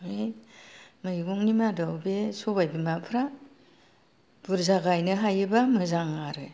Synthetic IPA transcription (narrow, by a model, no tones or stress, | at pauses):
ej | mɯɡuŋnimadɔwbesɔbajbimapʰɾa | b̥uɾzaɡajnɯɦajɯbamɯzaŋaɾɯ